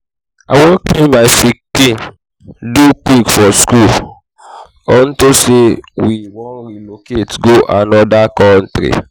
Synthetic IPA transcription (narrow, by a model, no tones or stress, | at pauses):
a̰wɔkẽmafiki | dukikfɔskul | ɔn̩tosewiwɔnɾiloketɡoʔanɔdakɔn̩tɾḭ